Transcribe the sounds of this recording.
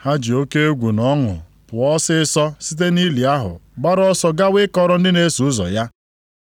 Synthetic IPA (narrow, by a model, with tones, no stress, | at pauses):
ha˦d͡ʒi˨o˦ke˦ɡʷu˨nɔ˦ŋʊ̰˨ | pʊ˨ɔ˦sɪ˦ɪ˦sɔ˦si˦t̬e˦ni˦li˨a˦ɦʊ̰˨ɡ͡ba˦ɾɔ˦sɔ˦ɡa˦wɪ˦kɔ˦ɾɔ˦n̩˦dɪ˦ne˦su˨ʊ˦zɔ̰˨ja˦